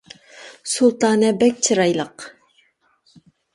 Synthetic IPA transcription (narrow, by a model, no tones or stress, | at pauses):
sulˠt̪ɑːnɛbɛk̚ʲt͡ʃʰɨɾɑjlˠəq